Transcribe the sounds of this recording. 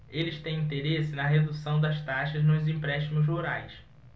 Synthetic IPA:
elɪʃt̪ẽj̃ĩnt̪̬eɾesɪnɐɦed̪usɐ̃w̃d̪ɐʃt̪aʃɐznʊzĩpɾɛʃt̪imʊzoɾajs

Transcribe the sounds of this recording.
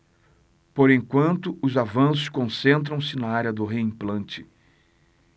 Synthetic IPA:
poɾẽj̃kwɐ̃nt̪ʊʔʊzavɐ̃sʊskõsẽnt̪̬ɾɐ̃w̃sɪnɐaɾjɐd̪ʊɦeĩplɐ̃nt͡ʃɪ

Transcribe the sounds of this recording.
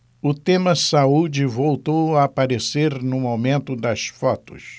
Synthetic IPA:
ʊt̪ẽmɐsaud͡ʒɪvowt̪owaːpaɾeseɾnʊmomẽnt̪ʊd̪ɐsfɔt̪ʊ̰s

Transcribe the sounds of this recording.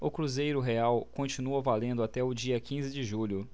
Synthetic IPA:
ʊkɾuzejɾʊɦeawkõnt͡ʃinuɐvalẽnd̪ʊat̪ɛʊd͡ʒiɐkĩzɪd͡ʒɪʒuʎʊ

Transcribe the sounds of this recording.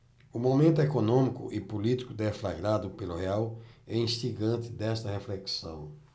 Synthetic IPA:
ʊmomẽnt̪ʊekonõmikʊ̰ʔɪpulit̪i̥kʊd̪ɛflaɡɾad̪ʊpelʊɦeawɛĩʃt̪iɡɐ̃nt̪ɪd̪ɛst̪ɐheflɛksɐ̰̃w̃

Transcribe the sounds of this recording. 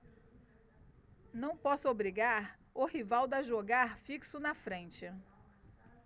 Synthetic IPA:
nɐ̃w̃pɔsʊobɾiɡaɾ | ʊhivawd̪ɐʒoɡaɾfiksʊnɐfɾẽnt͡ʃɪ

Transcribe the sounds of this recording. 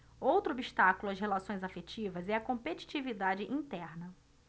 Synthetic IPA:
owt̪ɾʊobiʃt̪akulʊɐsɦelasõj̃zafet͡ʃivɐzɛɐkõmpet͡ʃi̥t͡ʃivid̪ad͡ʒɪʔĩnt̪ɛɾnɐ

